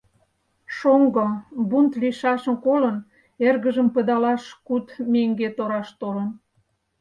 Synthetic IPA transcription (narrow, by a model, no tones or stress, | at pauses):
ʃoŋɡobunt̪liʃɑʃə̆nkolən | erɣəʒəmpə̆d̪ɑlɑʃkut̪meŋɡet̪oɾɑʃt̪olən